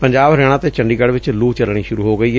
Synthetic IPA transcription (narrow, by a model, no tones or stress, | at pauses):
pəɲd͡ʒaːbɾɛːɽ̃ãːt̪eːt͡ʃəɳɖiːɡəɽʋɪt͡ʃluːt͡ʃəlɽ̃iːʃʊɾuːɦoːɡəiːɦɛː